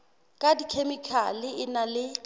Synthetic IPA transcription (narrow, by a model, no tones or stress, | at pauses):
kʼadikʰemikʰalɪʔɪnalɪ